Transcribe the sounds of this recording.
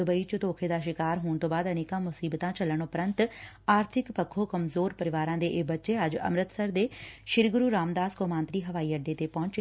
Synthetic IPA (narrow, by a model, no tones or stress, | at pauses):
ʊbəiːt͡ʃʊt̪oːkʰeːd̪aːʃɪkaːɾɦoːɳt̪õːbaːd̪əneːkãːmʊsiːbt̪ãːt͡ʃələɳʊpɾənt̪ | aːɾt̪ʰɪkpəkʰːoːkəmzoːɾpəɾɪʋaːɾãːd̪eːʔbətːʃeːəd͡ʒə̰mɾət̪səɾd̪eːʃɪɾɡʊɾuːɾaːmd̪aːskoːmãːnt̪ɾiːɦəʋaːiːəɖeːt̪eːpɔ̃ːɲt͡ʃ